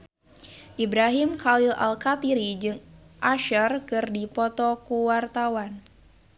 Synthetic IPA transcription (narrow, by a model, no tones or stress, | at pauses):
ʔibɾaɦimkalɪla̰lkat̪iɾid͡ʒɨŋʔaʃərkɨrdipɔt̪ɔkuwart̪awan